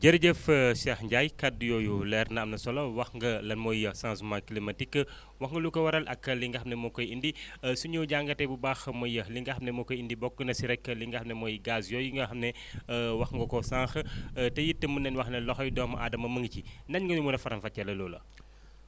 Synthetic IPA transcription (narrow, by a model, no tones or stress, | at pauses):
ɟɐɾɟəfsɛxɲɟajkadːjɔːjulɛːɾnɐɐmnɐsɔlɐwɐxŋɡɐlɐnmɔjːɐsãsmãklimɐtikː | wɐxŋɡɐlukːɐwɐɾɐlʔɐkːɐliŋɡɐxɐmnɛmɔkɔjindisuɲuwɟaːŋɡɐtɛbubaːxmɐjəliŋɡɐxɐmnɛmɔkɔjindibɔk̚ːənɐsiɾɛkːəliŋɡɐxɐmnɛmɔjɡasjɔːjiŋɡɐxɐmnɛ | wɐxŋɡɐkɔsãːxətɛjitːɐmːunɛnwɐxnɛlɔxɔjdɔːmɐ̰ʔa̰ːdɐmɐmɐŋɡcinɐɲŋɡɐnumunɐfɐɾɐmfɐcːɐlɐlɔːlɐ̰